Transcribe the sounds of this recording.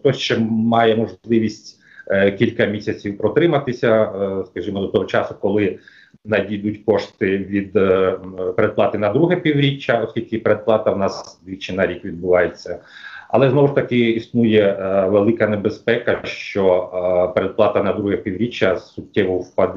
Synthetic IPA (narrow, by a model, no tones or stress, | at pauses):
t̪ɔʃt͡ʃɛmɑjɛmɔʒlˠɪʋʲisʲtʲ | kʲilʲkɐmʲisʲɐt͡sʲiwpɾɔt̪ɾɪmɐt̪ɪsʲɐskɐʒimɔd̪ɔt̪ɔɦɔt͡ʃɑsʊkɔlˠɪ | nɐdʲid̪ʊtʲkɔʃt̪ɪʋʲid̪ | peɾed̪plˠɑt̪ɪnɐd̪ɾuɦɛpʲiwɾʲit͡ʃːɐɔskʲilʲkɪpeɾed̪̚plˠɑt̪ɐwnɑsd̪ʲʋʲit͡ʃɪnɐɾʲikʋʲid̪̚bʊʋɑjet͡sʲːɐɐ̰lˠɛznɔʋʊʃt̪ɐkɪisnujɛʋelˠɪkɐnebespɛkɐʃt͡ʃɔpeɾed̪̚plˠɑt̪ɐnɐd̪ɾuɦɛpʲiwɾʲit͡ʃːɐssʊtʲːɛʋʊwpɐd̪